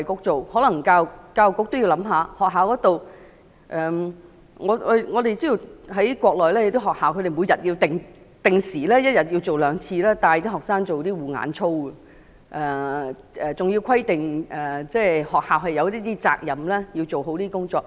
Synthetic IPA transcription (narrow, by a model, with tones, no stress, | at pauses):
ɐ˨jkʊ˨˥k̚t͡so˨whɔː˨˥lɐ˨˩ŋkaː˧wkaː˧wkʊ˥k̚t̪o˥wji˧wlɐ˨˥mɦaː˨˧hɔː˨k̚ɦaː˨wkɔː˨˥t̪o˨w | ʔɛː˨ | ŋɔ˨˧˨ŋɔː˨˧t̪e˨jt͡siː˥ji˨˩ɦɐ˨˥jkʷɔː˧k̚lɔː˨˩jlɛː˥je˧t̪o˥ɦɔː˨k̚haː˨wkʰɵ˧ɾe˨jmu˨˧jɐ˨t̚ji˧wt̪ɪ˨ŋ | t̪ɪ˨ŋsiː˨˩lɛː˥jɐ˥t̚jɐ˨t̚ji˧wt͡so˨wlœː˨˧ŋt͡sʰiː˧lɛː˥t̪aː˨˧jt̪iː˥ɦɔː˨k̚saː˥ŋt͡so˨wt̪iː˥wuː˨˩ŋa̰ː˨˥nt͡sʰo˥wə˨ | ʔɛː˨˩ | ʔɛː˨t͡sʊ˨ŋji˧wkʰɐ˥jt̪ɪ˨ŋʔɛː˨˩t͡sɛː˥˩hɔː˨k̚haː˨wɦɐ˨˩jɐ˧wt̪iː˥t̪iː˥t͡sa̰ː˧k̚jɐ˨˩mlɛː˥ji˧wt͡so˨wɦo˨˥wt̪iː˥kʊ˥ŋt͡sɔː˧k̚